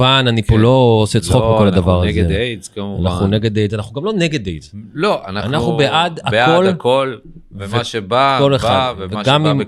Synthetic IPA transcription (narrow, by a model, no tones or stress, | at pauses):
ananipuloːset͡sχokbeko̞lad̪avaʁazɡeet͡skama̰naχnuneɡed̪ejzanaχnuɡamlo̞neɡed̪ejzloanaanaχnubeʔad̪akolkol | veveʃebakoleχavveɡamim